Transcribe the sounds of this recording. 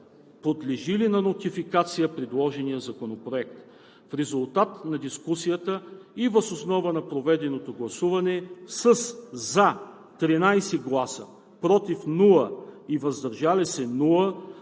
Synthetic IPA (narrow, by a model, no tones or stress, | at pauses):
pod̪lɛʒilinɐnot̪ifikat̪sijəpɾɛd̪lˠɔʒɛnijəzɐkonopɾoɛk̚t̪ | fɾɛzulˠt̪at̪nɐd̪iskusijət̪əivəzosnɔvənɐpɾovɛd̪ɛnot̪oɡlˠɐsuvɐnɛsəsza | t̪ɾinajsɛɡlˠasə | pɾɔt̪ifnulˠəivɐzd̪ɐɾʒalisɛnulˠə